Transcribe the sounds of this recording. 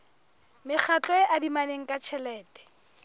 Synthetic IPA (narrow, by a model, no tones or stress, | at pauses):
mɪk͡xʰat͡ɬʼɔɪʔadimaneŋ̩kʼat͡ʃʰɛlɛːtʼɛ̥